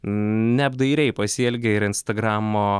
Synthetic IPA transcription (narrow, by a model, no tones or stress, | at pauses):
nʲɛbd̪ɐɪɾʲɛɪpɐsʲɛlʲɡʲɛɪɾɪnst̪ɐɡɾɑːmoː